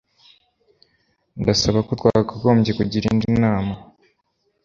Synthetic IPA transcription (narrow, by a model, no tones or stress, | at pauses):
ndasaβakutwaːɡaɡo̞ːmɟekuɟiɾḭndinaːma